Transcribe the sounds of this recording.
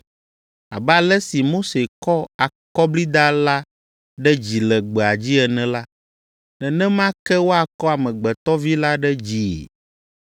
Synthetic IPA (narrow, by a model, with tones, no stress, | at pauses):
a̰˨bɛ˦a˨lɛ˦si˨mo˦se˨kɔ˦a˨kɔ˦bli˦d̪a˦la˦ | ɖɛ˦d͡ʑi˨lɛ˨ɡ͡bɛ˨a˨d͡ʑi˦ɛ˨nɛ̃˨la˦ | nɛ̃˨nɛ̃˦mã˦kɛ˦wo˦a˨kɔ˦a˨mɛ̃˨ɡ͡bɛ˨t̪ɔ˦vi˦la˦ɖɛ˦d͡ʑi˨ḛ˨